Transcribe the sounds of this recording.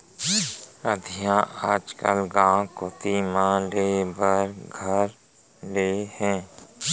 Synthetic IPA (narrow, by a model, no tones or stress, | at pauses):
əd̪ʱɪjãːʔaːd͡ʒkə̰lɡãːkʊt̪imãːleːbəɾɡʱəɾ | leːhɛ̃ː